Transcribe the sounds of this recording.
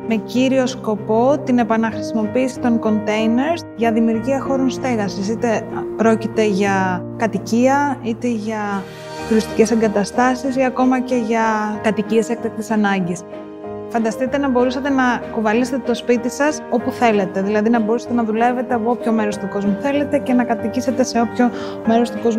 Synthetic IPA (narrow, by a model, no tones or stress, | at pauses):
me̞ciɾio̞sko̞po̞t̪ine̞pɐnɐxɾisimo̞piːsi̥t̪o̞ŋko̞nt̪e̞jne̞ɾsʝɐðimiuɾʝiɐxo̞ɾo̞nst̪e̞ɣɐsisit̪epɾo̞cit̪e̞ʝɐkɐt̪iciɐit̪e̞ʝɐ | t̪uɾist̪ice̞se̞ŋɡɐt̪ɐst̪ɐsisiɐko̞mɐce̞ʝɐkɐt̪iciese̞k̚t̪ɐk̚t̪isɐnɐɲɟis | fɐnd̪ɐst̪it̪e̞nɐbo̞ɾusɐt̪enɐkuvɐliset̪et̪o̞spit̪isɐso̞puθe̞le̞t̪e̞ðilɐðinɐbo̞ɾusɐ̥t̪e̞nɐðule̞ve̞t̪eɐpoopço̞me̞ɾo̞st̪uko̞zmuθe̞le̞t̪e̞ce̞nɐkɐt̪icise̞t̪e̞se̞o̞pço̞ | me̞ɾo̞st̪uko̞zm